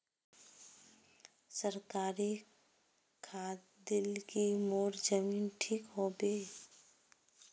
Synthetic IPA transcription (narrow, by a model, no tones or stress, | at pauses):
səɾkaːɾi | kʰaːt̪ | d̪ɪlkimoːɾd͡ʒəmiːnʈʰiːkɦobeː